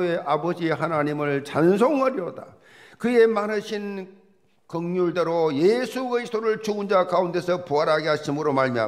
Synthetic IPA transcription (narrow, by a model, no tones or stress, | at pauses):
e̞ʔabʌd͡ʑiɦanaɲimɯɭt͡ɕansʰoŋʌɾjʌda̰ | kɯe̞manɯɕʰin | kɯŋɲuɭde̞ɾojesʰukɯɾisʰt͈oɾɯɭt͡ɕuɡɯnd͡ʑakaunde̞sʰʌpuaɾɦaɡeɦaɕʰimɯɾomaɭmia̰